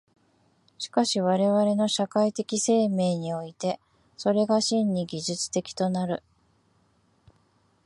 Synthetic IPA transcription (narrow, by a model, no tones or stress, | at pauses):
ɕi̥kaɕiβ̞aɾe̞βaɾe̞no̞ɕakait̪e̞kʲise̞ːme̞ːɲ̟io̞it̪e̞ | so̞ɾe̞ɡaɕĩɲːiɡʲiʑɨt͡sɨ̥t̪e̞kʲi̥t̪o̞naɾɯ̟